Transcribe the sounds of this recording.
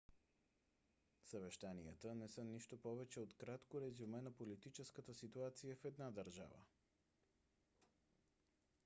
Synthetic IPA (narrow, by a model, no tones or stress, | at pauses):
səvɛʃt̪anijət̪ənɛsəniʃt̪opɔvɛt͡ʃɛot̪kɾat̪koɾɛzumɛnɐpolit̪it͡ʃɛskət̪əsit̪uat̪sijəfɛd̪nad̪əɾʒa̰və̰